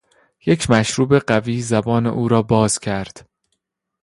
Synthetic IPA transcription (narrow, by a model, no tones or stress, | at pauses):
je̞cʰmæʃɾuːbe̞ɢæviːzæbɒːnḛʔuːɾɒːbɒːz̥cʲʰæɾd̪̥